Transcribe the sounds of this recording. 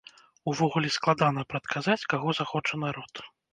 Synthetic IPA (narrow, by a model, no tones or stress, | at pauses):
uvɔɣulʲisklˠad̪an̪ɐpɾɐt̪kazat͡sʲkaɣɔzaxɔt͡ʂɐnaɾɔt̪